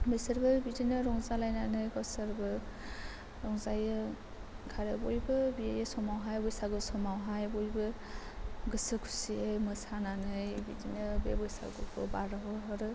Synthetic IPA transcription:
bɯjsaɾbɯbidinɯɾɔŋzalajnanɯjɡɔsaɾbɯ | ɾɔŋzajɯ | kʰaɾɯbɔjbɯbiajɯsɔmawɦajbɔjsaɡɯsɔmawɦajbɔjbɯ | ɡɯsɯkʰu̥siɯjmɯsananɯjbidinɯbebɔjsa̰ɡɔkʰɔbaɾɔɦɔɦɔɾɯ

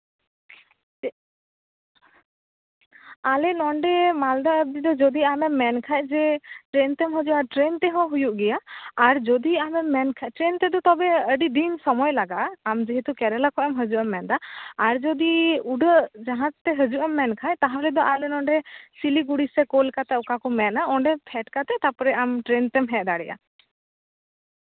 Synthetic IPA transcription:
alɛnɔɳɖɛmald̪aəb̚d͡ʒ̪id̪ɔd͡ʒɔd̪iamɛmːɛnkʰajd͡ʒɛʈɾɛnt̪ɛmɦəd͡ʒuʔaɾʈɾent̪ɛɦɔ̃ɦujuʔɡɛjaːɾd͡ʒɔd̪iamɛmːɛnkʰaʈɾent̪ɛd̪ɔt̪ɔbɛəɖid̪insɔmɔjlaɡaʔamd͡ʒiɦit̪ukɛɾɛlakɔʔɛmɦəd͡ʒuʔɛmːɛnd̪aaɾd͡ʒɔd̪iuɖəʔd͡ʒaɦãtt̪ɛɦəd͡ʒuʔɛmːɛnkʰajt̪aɦãlɛd̪ɔʔaɾlɛnɔ̃ɳɖɛsiliɡuɽisɛkolkat̪ɛɔkakɔmɛnaɔɳɖɛpʰɛʈkat̪ɛt̪apɔɾɛamʈɾɛnt̪ɛmɦɛ̃ʔd̪aɽɛʔa̰

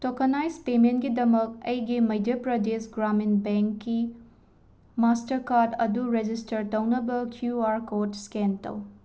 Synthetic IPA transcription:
tokʰɐnajspementɡidɐmɐk̚ɐjɡimɐjdɐpɾɐdesɡɾaminbeŋkːi | mastɐɾkaɾdɐduɾed͡ʒistɐɾtɐwnɐbɐkʰjuaɾkoɾdskentɐ̰w

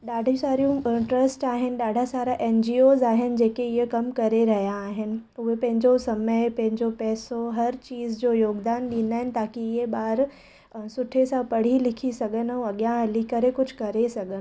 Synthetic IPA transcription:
ɗaːɖʱĩsaːɾijũʈɾɐsʈaːɦɪnɪ̆ɗaːɖʱasaːɾaʔeːnd͡ʑiːoːzaːɦɪnɪ̆d͡ʑeːkeɪɦekɐmkɐɾeɾɐɦijaːɦɪnɪ̆ʊɦepɐ̃ɦɪ̃ɲd͡ʑosɐməɪpɐ̃ɦɪ̃ɲd͡ʑopɛːsoɦɐɾt͡ɕiːzd͡ʑoːjoːɡd̪aːnɗiːn̆d̪aːɦɪnɪ̆t̪aːkiɪɦeɓaːɾ | sʊʈʰesãpɐɽ̤ilɪkʰisɐɠənũɐɠjãlikəɾekʊd͡ʑʱkɐɾesɐɠən

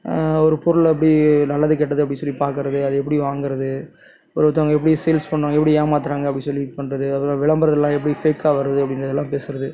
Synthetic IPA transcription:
ɔɾɯpʊɾɯlɛp̬ːɐɽinɐlːɐðɯk̬ɛʈːɐðɯɐp̬ːɐɽɪsɔlːipaːɾkɯɾɐðɯɐðɯɛp̬ːɐɽiʋaːŋɡɯɾɐðɯ | ɔɾɯʋɐt̪ːɐʋɐŋɡɐɛpːɐɽisɛjlspɐɳːõːɡɛpːɐɽiaːmaːt̪ɪɾaːŋɡɐɐpːɐɽisɔlːipɐɳːɾɐðɯɐpːl̃ːʋɪɭɐmbɐɾɐðɛlːãːɛpːɐɽifeːkaːʋɐɾɐðɯɐpːɐɽɪnɾɐðɛlːãːpeːsɯɾɐðɯ

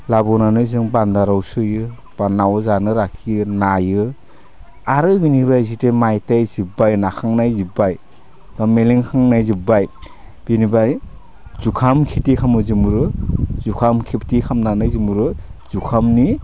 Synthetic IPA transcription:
labɔnanɯjzɯŋbandaɾawsɯjɯ | b̥anːawzanɯɾakʰinajɯ | aɾɯbinibajzitemajtajzibajnakʰaŋnajzibaj | b̥ameleŋkʰaŋnajzibaj | b̥inibaj | z̥ukʰamkʰitikʰamɯzimuɾɯzukʰamkʰiptikʰamnanɯjzimuɾɯz̥ukʰamni

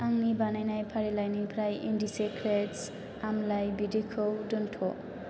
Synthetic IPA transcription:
aŋnibanajnajpʰaɾilajnipʰɾajʔindisekɾeʈs | amlajbidikʰowdɯnʈʰo

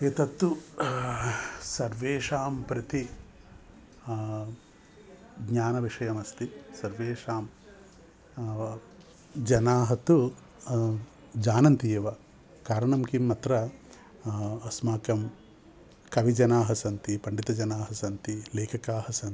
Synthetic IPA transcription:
eːt̪ɐt̪ːu | sɐɾʋeːʂaːmpɾɐt̪i | ɡɲaːnɐʋiʂɐjɐmɐst̪isɐɾʋeːʂaːm | d͡ʒɐnaːɦɐt̪u | d͡ʒaːnɐnt̪ijɐʋɐ | kaːɾɐɳɐmkimːɐt̪ɾɐ | ɐsmaːkɐm | kɐʋid͡ʒɐnaːɦɐsɐnt̪ipɐɳɖit̪ɐd͡ʒɐnaːɦɐsɐnt̪ileːkʰɐkaːɦɐsɐnt̪i

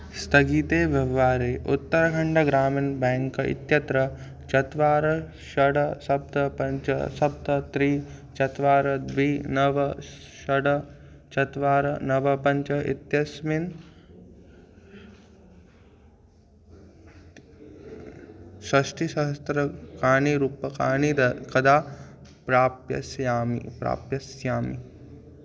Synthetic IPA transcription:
st̪ʰɐɡiːt̪eːʋjɐʋaːɾeːʔut̪ːɐɾɐɡʱɐɳɖɐɡɾaːminbɛːŋkɐḭt̪jɐt̪ɾɐ | t͡ʃɐt̪ʋaːɾɐ | ʃɐɽɐsɐb̚d̪ɐpɐɲt͡ʃɐ̰sɐb̚d̪ɐt̪ɾiːt͡ʃɐt̪ʋaːɾɐd̪ʋiːnɐʋɐʃɐɽɐ | t͡ʃɐt̪ʋaːɾɐnɐʋɐpɐɲt͡ʃɐḭt̪jɐsmin | ʃɐʃʈiʃɐɦɐst̪ɾɐkaːniɾuːpɐkaːnid̪ɐkɐd̪aːpɾaːpjɐ̰sjaːmḭpɾa̰ːpjɐsjaːmḭ

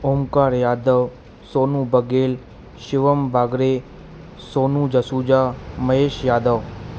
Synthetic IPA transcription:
oːmkaɾjaːd̪əʋ | soːnũbəɡel | ʃɪʋəmbʱaːɡɾe | sonũd͡ʒəsud͡ʒaməɦeʃjaːd̪əʋ

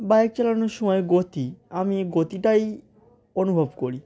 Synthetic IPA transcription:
bajek̚t͡ɕalanoʃɔmɔeɡot̪iamiɡot̪iʈaj | onubʱobkoɾi

